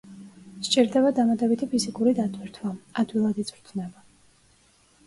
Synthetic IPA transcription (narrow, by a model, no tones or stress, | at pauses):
ʃt͡ʃʼiɾd̪ɛbad̪amad̪ɛbit̪ʰipʰizikʼuɾid̪at̪ʼwiɾt̪ʰwaad̪wilˠad̪it̪sʼɾt̪ʰnɛba